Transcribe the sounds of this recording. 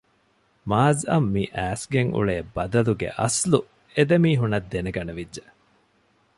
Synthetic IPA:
maːzɐmːiʔæːsɡeŋʔṵɭeːbɐd̪ɐluɡḛʔɐslu | ed̪emiːɦunɐd̪ːeneɡɐneʋidːʒe

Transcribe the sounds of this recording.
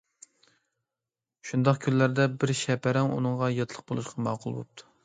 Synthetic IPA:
ʃund̪ɑqkʲʰynllæɾd̪ɛbɪɾʃɛpʰæɾɛŋṵnɨŋʁɑjɑt̪ʰlˠəq̚bolˠuʃqɑmɑːqʰʊlˠbo̰p̚t̪ʰu̥

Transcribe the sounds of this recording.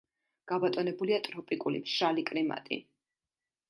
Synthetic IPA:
ɡ̥abat̪ʼɔnɛbuliat̪ʼɾɔpʼikʼulḭmʃalikʼɾima̰t̪ʼḭ

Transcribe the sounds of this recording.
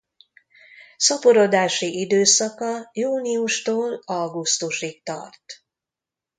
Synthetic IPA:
sɒpoɾod̪aːʃiʔid̪øːsɒkɒjuːniuʃt̪oːlɒɡust̪uʃik̚t̪ɒ̰rt̪

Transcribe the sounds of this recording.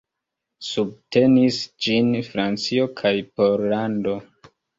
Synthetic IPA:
sub̚te̞nisd͡ʒinfɾant͡sio̞kʰajpo̞ɾlando̞

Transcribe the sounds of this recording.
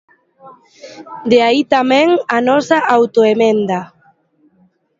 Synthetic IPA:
d̪eait̪amɛ̃ŋanɔsaʔawt̪oemɛ̃nd̪a

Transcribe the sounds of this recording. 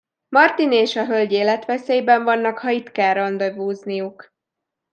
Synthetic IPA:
mɒrt̪ineːʃɒɦølɟeːlɛt̪ʋɛseːjbɛɱvɒnːɒkhɒit̪kaːɾɒnd̪ɒvuːznijuk

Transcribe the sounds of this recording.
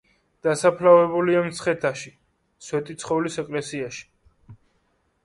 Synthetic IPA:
d̪̥asapʰlavɛbuliamt̪sʰχɛt̪ʰaʃi | swɛt̪ʼit̪sʰχɔvlisɛkʼlɛsiaʃi̥

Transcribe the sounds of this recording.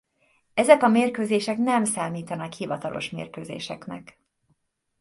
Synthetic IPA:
ɛzɛkɒmeːrkøːzeːʃɛknɛmsaːmiːt̪ɒnɒkhivɒt̪ɒlʔo̞̰ʃmḛːrkøːzḛːʃɛknɛ̰k

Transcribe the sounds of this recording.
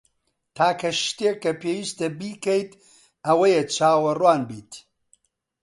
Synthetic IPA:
t̪ʰaːkʰɐʃt̪eːkːɐpʰeːwiːst̪ɐbiːkɐjt̪ | ɐwɐjet͡ʃʰaːwɐrwaːnbiːt̪

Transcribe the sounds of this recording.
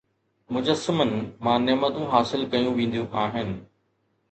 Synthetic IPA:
mʊd͡ʑəsːɪmən̆mãːnɛmət̪ũɦaːsɪlkɐjũʋẽːn̆d̪jũʔaːɦɪnɪ̆

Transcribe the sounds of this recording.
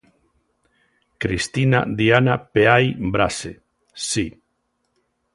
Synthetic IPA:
kɾist̪ina̰ðianapeajbɾase | si

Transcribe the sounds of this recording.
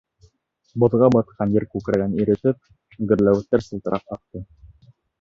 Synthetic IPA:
bŏðʁɑbɑt̪qʰɑnjɘɾkʉkɾæɡæniɾɘ̆t̪ɘp̚ | ɡɘ̆ɾlæwɘ̆t̪ːæɾsɤ̆lˠt̪ɤ̆ɾʔɑqɑq̚t̪ɤ

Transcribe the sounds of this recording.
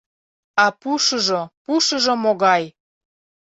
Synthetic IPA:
ɑpuʃəʒopuʃə̆ʒomoɣɑj

